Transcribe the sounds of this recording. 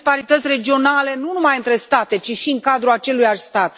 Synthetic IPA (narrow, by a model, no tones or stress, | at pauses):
spaɾit̪ət̪sʲre̞d͡ʒio̞nale̞nunumajɨnt̪ɾe̞st̪at̪e̞t͡ʃiʃiɨŋkad̪ɾuat͡ʃe̞lujaʃst̪at̪